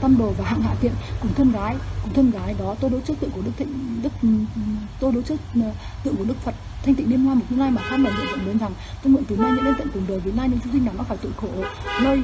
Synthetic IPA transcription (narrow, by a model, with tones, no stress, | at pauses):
t̪a˧mɗo˨˩vaː˨˩ha̰ː˧˨ŋha̰ː˧˨t̪ḭ˧˨ənkʊ˨˩ŋ͡mt̪ʰə˧nɣaː˨˦jkʊ˨˩ŋ͡mt̪ʰə˧nɣaː˨˦jɗɔ˨˦t̪o˧jɗo˨˦t͡ɕɨ˦˥t̪ɨ̰˧˨ŋkɗɨ˦˥k̪̚ʰɗɨ˦˥k̚ | t̪o˧jɗo˨˦t͡ɕɨ˦˥k | t̪ɨ̰˧˨ŋku˧˩ɗɨ˦˥k̚fə˨˩t̚ | tʰːjŋ̟i˧˨ŋɗi˧əmhwaː˧mo˨˩t̚ɲɨ˧na˧jmaː˨˩xaː˦˥m̚lə˨˩nzɨ̰˧˨zə̰˧˨nɓə˨˦nza˨˩ŋ | t̪o˧nvɨ̰˧˨nt̪ɨ˨˩naː˧jɲɨ̰˧˥ŋʔə˧nt̪ə̰˧˨ŋkʊ˨˩ŋ͡mɗo˨˩vət̚naː˧jɲɨ̰˧˥t͡ɕʊ˧ŋ͡msi˧ŋnaː˨˩ma˦˥faː˧˩jt̪xo˧˩˨nəː˧j